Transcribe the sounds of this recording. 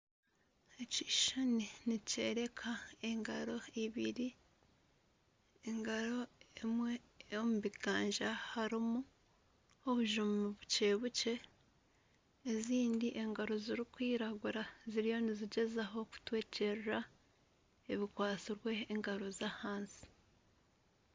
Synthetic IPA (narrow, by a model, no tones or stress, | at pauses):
eciʃaninice̞ɾe̞kʰae̞ŋɡaɾo̞iβiɾi | eŋɡaɾo̞emwe̞ | omuβiɡ̥aːɲʒahaɾimu | oβuʒumuβut͡ʃe̞ːβuce̞ | ziːndiʔe̞ŋɡaɾo̞ziɾikwiːɾaɡuɾaziɾijo̞niziɟe̞zaɦo̞ku̥tweːce̞ɾɾa | eβikwaːt͡siɾwe̞ːŋɡaɾo̞zahaːnsi̥